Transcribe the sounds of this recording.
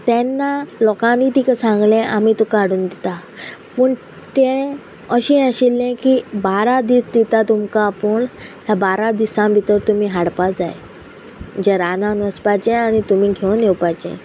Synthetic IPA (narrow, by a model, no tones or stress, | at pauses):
t̪ɛnːalɔkãmit̪ikəsãŋɡlɛ̃ʔamiːt̪ũkaɽuːnd̪it̪apəːɳ | t̪ɛ̃ | əɕĩəɕilːɛ̃kiːbaɾad̪iːsd̪it̪at̪umkapəɳt̪jabaɾad̪isãbʱit̪əɾt̪umiːɦaɽpad͡zaj | d͡ʑeɾanãnəspajt͡ɕɛ̃añit̪umiːɡʱewnewpajt͡ɕɛ̰̃